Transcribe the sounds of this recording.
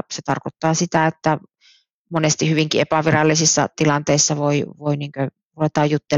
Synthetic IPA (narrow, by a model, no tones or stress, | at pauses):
set̪ɑ̰rkot̪ːɑːsit̪æet̪ːæ | monest̪ihyʋiŋkiepæʋirɑlːisisːɑ̰t̪ilɑnt̪eisːɑʋoiʋoiniːŋkø | ʋoet̪ɑːjjut̪ːe